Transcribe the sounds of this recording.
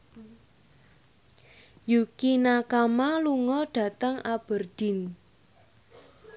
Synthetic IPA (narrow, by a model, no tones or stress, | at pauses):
jukinakamaluŋɔɖ̥ä̤t̪əŋab̥ərd̥i̤n